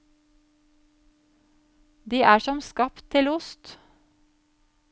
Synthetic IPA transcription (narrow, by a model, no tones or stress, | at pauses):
d̪iːʔæːʃɔmskɑpt̪ʰɪlʊst̪